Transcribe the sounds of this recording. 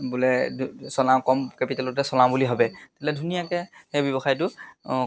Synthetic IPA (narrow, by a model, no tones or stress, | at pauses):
bulɛsɔlamkɔmkepitalɔtɛsɔlambuliɦɔbɛte̥tlɛdʱunijakɛxɛjbjɔbɔxajtʊ